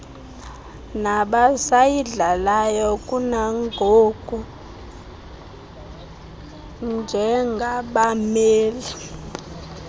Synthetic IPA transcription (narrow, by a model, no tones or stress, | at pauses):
naɓasajiɮalajɔkʼunaŋɡʱoɡ̥ʱu | nd͡ʒʱɛŋɡʱaɓameːli